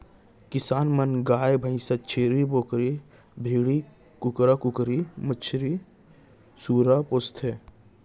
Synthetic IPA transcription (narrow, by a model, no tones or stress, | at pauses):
kɪsaːnmɐnɡaːjbʱə̃ĩsɐt͡ʃʰeːɾiboːkɾi | bʱeːɽi | kʊkɾakʊkɾimət͡ʃʰɾi | suːɾapost̪ʰɦeː